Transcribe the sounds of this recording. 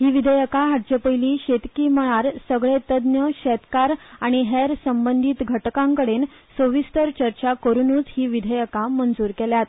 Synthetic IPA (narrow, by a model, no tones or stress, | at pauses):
ɦiːʋid̪ʱəjəkaɦaʈ̚t͡ɕəpəjliːɕet̪kiːməɭ̃aɾsəɡɭet̪əd̪njəɕɛt̪kaɾaɽ̃iɦeɾsəmbənd̪ʱit̪ɡʱəʈkãŋkəɽen | səʋist̪əɾt͡ɕəɾt͡ɕakəɾunuːt͡sɦiːʋid̪ʱəjəkamənd͡zuːɾkeljat̪